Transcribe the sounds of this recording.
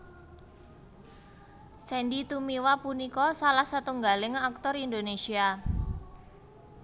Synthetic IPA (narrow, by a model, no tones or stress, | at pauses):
sɛndit̪umiwapunikɔsalahsat̪uŋɡa̤lɪŋak̚t̪ɔrind̪onesia